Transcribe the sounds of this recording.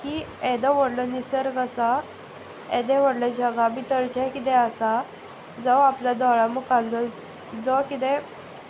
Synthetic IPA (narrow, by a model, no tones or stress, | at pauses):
kiɛd̪əʋəɽlənisəɾkəsa | ɛd̪ɛ̃ʋəɽlad͡ʑəɡabit̪əɾt͡ɕɛkit̪ɛəsa | d͡zəʋaplad̪ɔɭamukald̪ə | d͡zɔkit̪ɛ̃